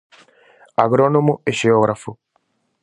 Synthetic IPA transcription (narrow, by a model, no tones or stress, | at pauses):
aɡɾonomueʃeoɣɾafu